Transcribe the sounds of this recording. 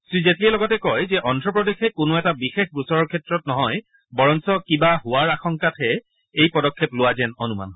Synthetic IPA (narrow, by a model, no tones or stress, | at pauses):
sɹizetliɛlɔɡɔtɛkɔjzɛʔɔndɹɔpɹɔdexɛkʊnoɛtabixexbɹusɔɹɔɹkʰɛtɹɔtnɔɦɔj | bɔɹɔnsɔkibaɦʊwaɹaxɔŋkatʰɦɛ | ejpɔdɔkʰːeplʊwazɛnɔnuma̰n